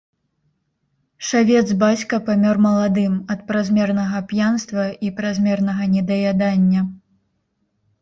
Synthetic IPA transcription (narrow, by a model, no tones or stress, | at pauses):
ʂavʲɛd̪zbat͡sʲkɐpamʲɔrmɐlˠad̪ɨmɐt̪pɾazʲmʲɛrnɐɣɐpjanst̪vɐipɾazʲmʲɛrnɐɣɐnʲɛd̪ɐjad̪anʲːɐ